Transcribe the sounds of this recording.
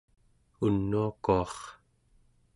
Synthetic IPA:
unːuakuɑχ

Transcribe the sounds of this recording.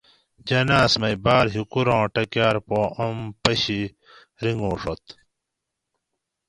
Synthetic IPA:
d͡ʑɐnaːsmɐjbaːɾɦikuɾãːʈɐkjaːɾpoːɐmpɐɕi | ɾiŋɡõːʂot̪

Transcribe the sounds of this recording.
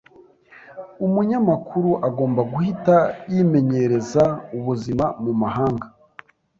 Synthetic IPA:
umuɲamakʰuɾuʔaɡo̞ːmbaɡuhitajime̞ɲe̞ɾe̞zauβuzimamumahaːŋɡa

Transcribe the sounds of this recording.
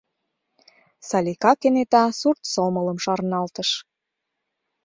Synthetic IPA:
sɑlʲikɑkenet̪ɑsurt̪somə̆lə̆mʃɑɾnɑlt̪əʃ

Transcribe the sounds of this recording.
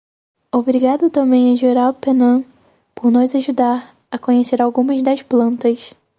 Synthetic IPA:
obɾiɡad̪ʊt̪ɐ̃mbẽj̃ɐʒeɾawpenɐ̃ | poɾnɔzaʒud̪aɾ | ɐkõɲeseɾawɡũmɐzd̪ɐʃplɐ̃nt̪ɐs

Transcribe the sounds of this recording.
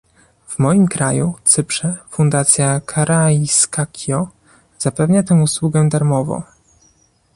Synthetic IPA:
v̥mɔjimkɾajut̪sɘpʂɛfund̪at̪sʲjakʰaɾʔajiskakʲʰɔ | z̥apɛvɲat̪ɛmuswuɡɛd̪aɾmɔvɔ̰̃

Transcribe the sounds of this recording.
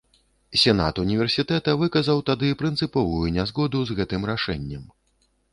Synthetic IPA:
sʲɛna̰t̪unʲivʲɛrsʲit̪ɛt̪ɐvɨkɐzɐwt̪ad̪ɨpɾɨnt̪sɨpɔvujunʲazɣɔd̪uzɣɛt̪ɨmɾaʂɛnʲːɐm

